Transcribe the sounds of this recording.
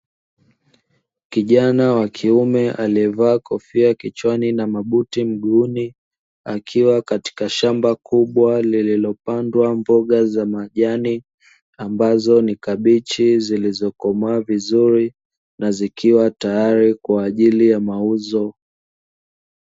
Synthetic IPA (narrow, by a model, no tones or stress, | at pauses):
kiʄanawakʰiumɛʔaliɛvaːkɔfiakit͡ʃwaninamaɓutim̩ɠuni | akʰiwakati̥kaʃambakuɓwalililɔpandwambɔɠazamaʄani | ambazɔnikaɓit͡ʃizilizɔkɔmaːvizuɾi | nazikiwatajaɾikwaːʄilijamauzɔ